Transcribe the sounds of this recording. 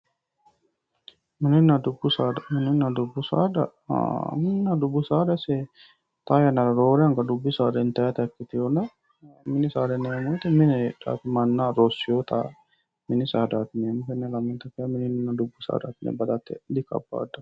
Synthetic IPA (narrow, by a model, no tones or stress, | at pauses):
mininːad̪ubːusaːɖmininːad̪ubːusa̰ːɖa̰ | minːadubusaːɖase | t̪aːjanːaɾɐɾoːɾejaŋɡaɖubːisaːɾint̪ɛːt̪ɛkːit̪iunɐ | minisaːɖenːemuit̪emineɖa̰ːt̪umanːaːɾosjoːt̪a̰ː | minisaːɖaːt̪imemukenːelamint̪ɐkeamininunːadubːusa̰ːɖa̰k̪ːinḛbɐd̪at̪ːḛd̪ika̰bːa̰ːɖːɐ